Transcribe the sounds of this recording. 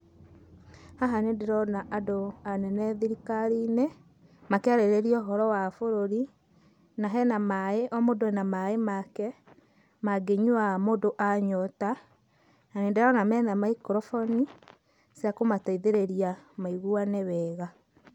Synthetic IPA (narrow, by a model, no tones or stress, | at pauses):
haɦanendeɾɔnaʔadoanɛnɛðiɾikaɾine | makɛaɾeɾeɾiɔɦɔɾɔwafoɾoɾi | naɦɛnamaeʔɔmodoɛnamaemakɛ | maɡeɲuwamodoʔaɲɔta | nanendeɾɔnamɛnamaikɾɔfɔni | seakomataiðeɾeɾiamaiɣuanewɛːɣa